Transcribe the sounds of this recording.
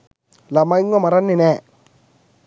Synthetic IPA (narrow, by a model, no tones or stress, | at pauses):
lamaiŋamaɾanːine